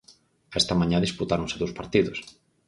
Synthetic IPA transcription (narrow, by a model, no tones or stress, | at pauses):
aest̪ɐmãɲãðisput̪aɾõnseðowspaɾt̪iðʊs